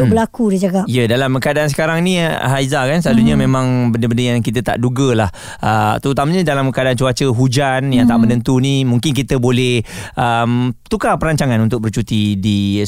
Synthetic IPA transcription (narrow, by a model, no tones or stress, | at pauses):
ubəlakudid͡ʒaɡaijədalaməkadaʔansə̥kaɾaŋnĩɦaizakansəlaluɲəmẽmãŋbəndəbəndəjaŋkit̪ət̪a̰ʔduɡəlah | ʔət̪əɾut̪aməɲədalaməkadaant͡ʃuat͡ʃəɦud͡ʒanjaŋt̪aʔmə̃nənt̪unimũŋkɪnkit̪əbolɛhʔəmt̪ukapəɾaɲt͡ʃaŋanunt̪ʊk̚bərt͡ʃut̪idi